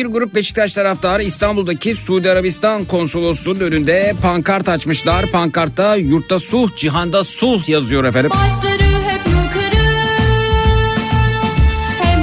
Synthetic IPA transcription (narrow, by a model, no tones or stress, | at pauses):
biɾɡuɾup̚beʃi̥c̪ʲat͡ʃt̪ʰaɾaft̪ʰaːɾɯist̪ʰanbulˠd̪acʰisuːd̪iaɾabist̪ʰankʰo̞nso̞lˠosunø̞nynd̪ɛpʰaŋkʰaɾt̪at͡ʃmɯʃlˠaɾpʰaŋkʰaɾt̪ːajuɾt̪ːasud͡ʒiɦand̪asulˠjazɯjo̞ɾefeɾiaʃlˠaɾɯɦɛpmukʰaɾɯ